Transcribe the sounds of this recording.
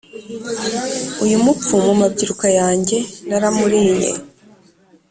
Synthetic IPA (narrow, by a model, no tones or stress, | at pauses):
ujumup͡fumumabɟiɾukajaːɲɟe̞naɾamuɾine̞̰